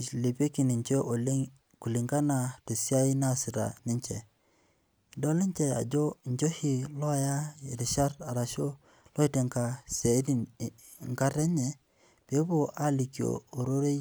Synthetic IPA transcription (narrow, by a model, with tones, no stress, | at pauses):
le˨pe˦ki˨nɪ˨ɲt͡ʃe˦ | ku˨li˨ŋɡa˦na˨to˨si˦a˦i˦na˦˨sɪ˨ɾa̰˨nɪ˦ɲt͡ʃḛ˨ | do˦lɪ˦ɲt͡ʃe˨a̰˨d͡ʒo˦˨ɲd͡ʒo˦hi˨lɔ˦a˦˨ja˦i˨ɾi˨ʃa˦ɾa˨ɾa˨ʃo˦ | lɔ˦i˦te˨ŋka˨sa˨˦ɾi˦n | ŋka˦ɾe˦ɲe˨ | pe˨˦bo˨a˦li˨kjo̰ː˨ɾo˦ɾe˦